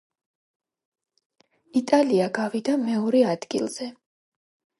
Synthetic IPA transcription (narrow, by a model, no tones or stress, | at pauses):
it̪ʼaliaɡavid̪amɛɔɾɛad̪ɡilˠz̥ɛ